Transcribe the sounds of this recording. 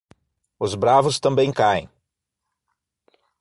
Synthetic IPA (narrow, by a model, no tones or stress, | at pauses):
ʊzbɾavʊst̪ɐ̃mbẽj̃kaḛ̃j̃